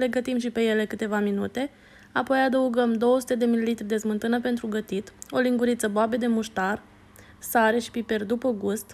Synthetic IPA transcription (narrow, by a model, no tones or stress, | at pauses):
le̞ɡət̪imʃipe̞je̞le̞kɨt̪e̞vaminṵt̪e̞ | apo̞jad̪əuɡəmd̪o̞wəsu̥t̪e̞d̪e̞milːit̪ɾʲd̪e̞zmɨnt̪ɨnəpe̞nt̪ɾuɡət̪it̪o̞liŋɡuɾit̪səboabe̞d̪e̞muʃt̪ar | saɾe̞ʃi̥pipe̞rd̪upəɡust̪